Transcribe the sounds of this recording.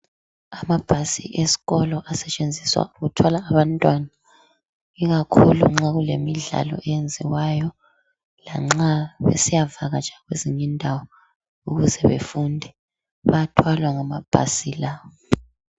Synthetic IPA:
amab̥ʱasḭʔesi̥ɣɔlɔʔasɛt͡ʃʼend͡zʱiswa̰uɣutʰwalaːβantʼwana | iɣakʰulṵŋ͡ǁaɣulemiɮa̰lɔ̰ʔɛjend͡zʱiwajɔ | la̰ŋ͡ǁaβḛsijavaɣad͡ʒʱaɣweziɲindʱawɔ | uɣuzɛβḛfundʱɛ | βatʰwalwaŋamab̥ʱa̰silaːwɔ

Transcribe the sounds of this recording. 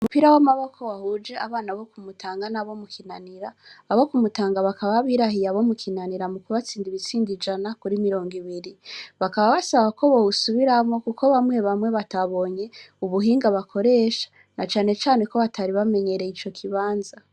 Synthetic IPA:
umupiɾawamaβokʰowahud͡ʒe̞ʔaβaːnaβo̞kumutʰaːŋɡanaβo̞mukʰinaniɾaːβokumutaːŋɡaβakaβaβiɾaɦijaβo̞mukʰinaniɾamukuβat͡siːndiβit͡siːndid͡ʒanakuɾimiɾo̞ːŋɡiβiɾiβakaβaβasaβakʰo̞βousuβiɾamŋo̞kukʰoβamwe̞βamwe̞βataβo̞ɲe̞uβuɦiːŋɡaβakʰo̞ɾe̞ːʃḁ | nat͡ʃaːne̞t͡ʃaːne̞ko̞βataɾiβame̞ɲe̞ɾe̞it͡ʃo̞kʰiβaːnza

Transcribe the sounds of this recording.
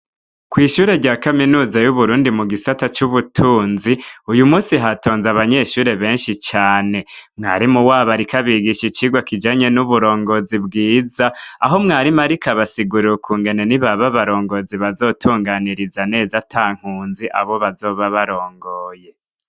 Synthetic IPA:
kwiːʃuːɾe̞ɾɟaːkaminuːzajuβuɾuːndimuɡisatat͡ʃuβutʰuːnziujumuːsiɦato̞ːnzaβaɲe̞ʃuːɾe̞βe̞ːnʃit͡ʃaːne̞mŋaːɾimuwaːβaɾikaβiɡiʃit͡ʃiɡwakid͡ʒaɲe̞nuβuɾo̞ːŋɡo̞zibɡiːzaaɦo̞mŋaːɾimaɾikaβasiɡuɾiɾukʰuːŋɡe̞ne̞niβaβaβaɾo̞ːŋɡo̞ziβazo̞ːtʰuːŋɡaniɾizane̞ːzatʰaːŋ̥huːnziʔa̰βo̞βazo̞ːβaβaɾo̞ːŋɡo̞ːje̞

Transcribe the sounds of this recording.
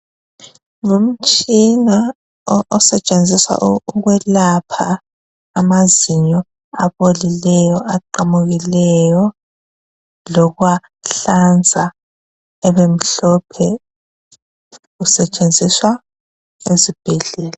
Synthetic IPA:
ŋom̩t͡ʃʼina | ɔsɛt͡ʃʼend͡zʱiswa̰ʔuɣwɛlapʰaː | maziɲɔ | aβolilɛjɔʔaǃamuɣilɛjɔ | lɔɣwa | ɬand͡zʱa | ɛβem̩ɬɔpʰɛ | ɣusɛt͡ʃʼend͡zʱiswa | ezib̥ʱɛɮɛːla

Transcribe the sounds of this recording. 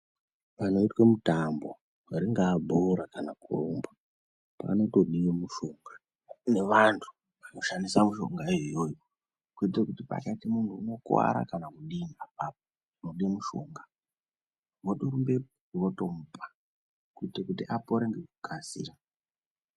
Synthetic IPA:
ʋano̞itwemutambo̞ | aɾiŋɡaːbʱoɾakanakuro̰mba | pa̰ːno̞toɗijemuʃoŋɡa | ne̞ʋantʰu̥ | ʋano̞ʃandisamuʃo̞̰ŋɡajojojo | kuitrekutipa̰kaitimuntuːno̞kwa̰ɾa̰kanakuɗiniap̚ap̚o | noɗiemuʃo̞̰ŋɡa | ʋoɗoɾumbe | uroto̞mupʰḁ | kuitekutiʔapoɾeŋɡeku̥kʰasḭːra

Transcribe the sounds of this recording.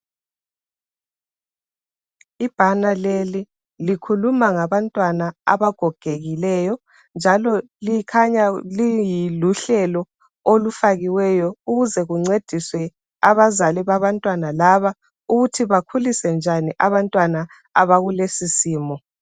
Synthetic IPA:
ib̥ʱanaleli | likʰulumaŋaβantʼwanaa̰βaɡ̥ʱɔɡ̥ʱeɣilɛjɔ | nd͡ʒʱalɔ | liikʰaɲalijiluɬɛlɔ | olufaɣiwɛjɔuɣuzɛɣuŋ͡ǀed̥ʱiswɛ | aβazaliβaβantʼwanalaβa | uɣutʰiβakʰulisɛnd͡ʒʱaniʔaβantʼwana | aβaɣulesisiːmɔ

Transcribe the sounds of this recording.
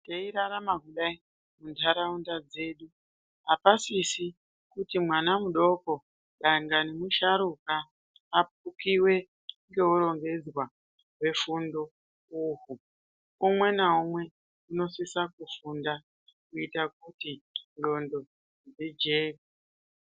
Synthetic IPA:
teiɾaɾamakuɗai | muntʰaɾaundad͡ze̞ːɗu | ɦapasisi | kutimwanamuɗo̞ko̞ | ɗaŋɡanimuʃaɾukaː | p̚ukiwe̞ | ŋɡe̞uɾo̞ŋɡe̞d͡zwa | we̞fundo̞ | uɦu | umwe̞naumwe̞ | uno̞sisakufunda | kuitak̚utindo̞ndo̞ | d͡zed͡ʒeːki

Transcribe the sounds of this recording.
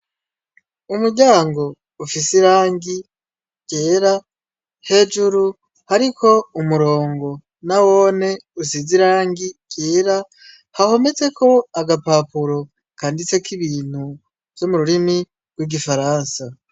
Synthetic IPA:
umuɟaːŋɡo̞ | ufisiɾaːŋɡi | ɟ̥e̞ːɾa | he̞d͡ʒuɾu | haɾikʰo̞umuɾo̞ːŋɡo̞ | nawo̞ːne̞usiziɾaːŋɡiɟ̥eːɾa | haho̞me̞t͡se̞kʰo̞aɡapaːpuɾo̞ | kaːndit͡se̞kiβiːn̥hu | vjomuɾuɾini | ɡwiɡifaɾaːnsa

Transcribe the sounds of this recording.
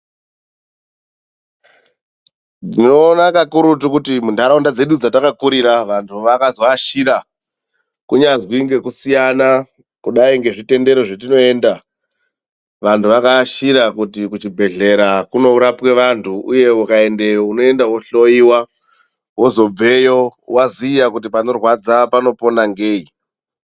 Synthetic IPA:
dinonakakuɾutukutimundaɾaundad͡ze̞ɗud͡zatakakuɾiɾaʋantʰuʋakazoaʃiɾa | kuɲazwiŋɡe̞kusijana | kuɗaiŋɡe̞ʐite̞nde̞ɾo̞ʐetino̞e̞ːnda | ʋantʰuʋakaʃiɾakutikut͡ʃibʱe̞ɮe̞ɾakuno̞uɾapwe̞ʋantʰuuje̞ukae̞nde̞jouno̞e̞ndawo̞ɬo̞iwa | wo̞zo̞b͡ve̞jo̞waziijakutipano̞rwad͡zapano̞po̞naŋɡeːi

